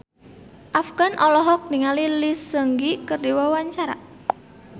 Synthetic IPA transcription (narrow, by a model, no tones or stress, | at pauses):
ʔafɡ̥anʔɔlɔɦɔk̚niŋalilisəŋɡikərdiwɔwaɲt͡ʃaɾa̰